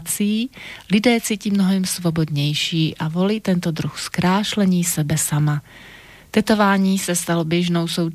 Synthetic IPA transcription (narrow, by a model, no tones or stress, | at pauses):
t͡siiːlɪdɛːt͡siːciːmnoɦɛmsvobod̪ɲɛjʃiːʔavo̞liːt̪ɛnt̪od̪ɾuxskɾaːʃlɛɲiːsɛbɛsama | t̪ɛt̪o̞vaːɲiːsɛst̪alobjɛʒnowsow